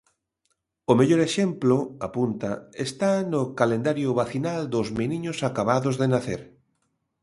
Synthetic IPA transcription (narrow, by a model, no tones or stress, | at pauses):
ʊmeʎoɾeʃemploapunt̪a̰est̪anʊkalend̪aɾjʊβaθinald̪ʊzminiɲʊsakaβ̞aðozðenaθeɾ